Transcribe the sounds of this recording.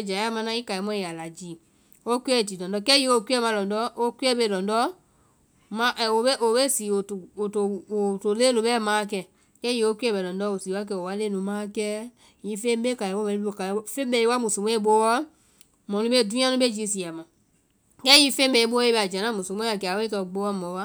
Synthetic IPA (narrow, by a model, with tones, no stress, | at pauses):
d͡ʒa˨˦a˦mã˧nã˧˦i˦ka˨i˨˦mɔ̃˦i˨a˨la˨d͡ʒiː˨˦˨ | o˦ku˦ɛ˦˨ti˨lɔ̃˨ndɔ˧˦kɛ˦ji˧˦o˧ki˦ɛ˦mã˧lɔ̃˨ndɔ˦o˦ki˦ɛ˦ɓe˧˨lɔ̃˨ndɔ˦ | mã˨˦ʔo˧ɓe˦ʔo˨ɓe˦siː˨˦o˨to˨to˨o˨to˨leː˦nũ˧ɓɛ˦˨mãː˨˦˨kɛ˧˨ | kɛ˦jĩ˧˦o˦ki˦ɛ˦bɛ˨lɔ̃˨dɔ˦o˨siː˨˦wa˦k̬ɛ˧˨o˨wa˧˦leː˦˨nũ˨˦mãː˦˨kɛ˦ | jĩ˨˦fẽ˦ɓe˦ka˨ɛ˨wo˦ɛ̃˨nĩ˦o˧˨ka˨˦fẽ˦bɛ˧˨i˦wa˦mũ˨so˨mɛ̃˦ɓo˧˦wɔ˦ | mɔ̃˨nũ˧˦e˦˨dũ˦ã˦nũ˦ɓe˦d͡ʒi˨˦s̬i˨a˨mã˨ | kɛ˦jĩ˧˦fẽ˦bɛ˧˨i˦ɓo˦e˦ɓɛ˧˨a˨d͡ʒã˨nã˦mũ˨so˨mɛ̃˦ã˨kɛ˨a˨we˦kɛ˧o˨ɡ͡bo˧˦wɔ˦mɔ̃˨˦wa˦